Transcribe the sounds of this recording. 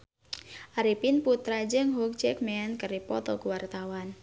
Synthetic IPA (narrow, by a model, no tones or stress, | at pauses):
ʔaɾipinput̪ɾad͡ʒəŋɦuk̚t͡ʃɛk̚mɛnkəɾipɔt̪ɔkuwart̪awan